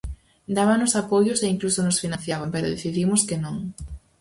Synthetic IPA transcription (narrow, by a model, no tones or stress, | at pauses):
d̪aβanʊsapojʊseiŋklusonosfinãnθjaβampɛɾo̰ðeθiðimʊskɪnõŋ